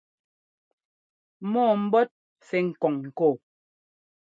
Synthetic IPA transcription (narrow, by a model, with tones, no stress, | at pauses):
mɔː˦˨m̩˦bɔ˦t̚ | fɛ˨ŋ̩˨kɔ˨ŋ̩ː˨ko˦˨